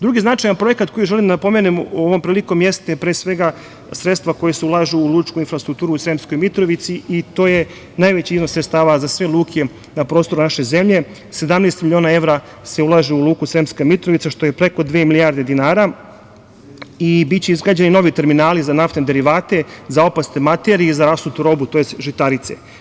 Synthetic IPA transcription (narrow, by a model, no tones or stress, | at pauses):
d̪ɾuɡiznat͡ʂajanpɾo̞jekat̪ko̞jiʒe̞limd̪po̞menemoʋo̞mpɾiːliko̞mje̞st̪epɾeːsʋe̞ɡa | sɾe̞t̪st̪ʋako̞jeseulˠaʒuulˠuːt͡ʃkuinfɾast̪ɾuk̚t̪uːɾusɾemsko̞jmit̪ɾo̞ʋit̪siit̪o̞ːje | najʋet͡ɕiizno̞sɾet̪st̪aːʋazasʋelˠuːkʰe | napɾo̞ːst̪o̞ɾunaʃe̞ze̞mʎe̞ | se̞d̪amneːst̪milio̞ːnae̞ʋɾa | se̞ulaʒeulˠuːkusɾemskamit̪ɾoʋit̪saʃt̪o̞jepɾe̞ko̞d̪ʋeːmilijaɾd̪e̞d̪inaːɾa | ibitt͡ɕeizɡɾad͡ʑenino̞ʋit̪e̞ɾminaːlizanaft̪ned̪e̞ɾiʋaːt̪e̞zao̞past̪emat̪eɾizaɾasut̪uɾo̞but̪o̞jest̪ʒit̪aɾit̪sḛ